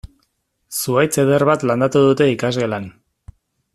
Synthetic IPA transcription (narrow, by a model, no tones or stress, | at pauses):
suajt͡seðe̞ɾβat̪land̪at̪uð̞ut̪e̞ikazɣe̞lan